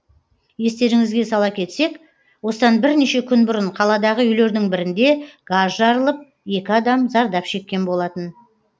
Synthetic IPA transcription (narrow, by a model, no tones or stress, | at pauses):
je̞st̪e̞ɾɪŋɪzɡʲe̞sɑlˠɑkʲʰe̞t̪se̞k | wo̞səd̪ɑnbɪɾneʃe̞kʲʰʏnbʊɾəɴqʰɑlˠɑd̪ɑʁəʏjle̞ɾd̪ɪŋbɪɾɪnd̪e̞ɡ̥azʒɑɾəlˠəp̚ | e̞kʲɪɑd̪ɑmzɑɾd̪ɑpʃe̞kʲːe̞nbo̞lˠɑt̪ən